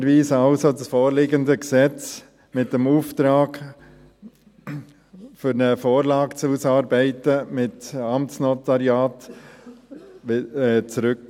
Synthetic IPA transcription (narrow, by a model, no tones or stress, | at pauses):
ɾviːsɑlsodəsfoːɾlɪɡəndəksɛt͡s | mɪtdəmuːftɾaːɡ | fʏɾnəfoːɾlaːkt͡susɑɾbɛɪtəmɪtɑmtt͡snɔtaɾjaːt | t͡sɾʏk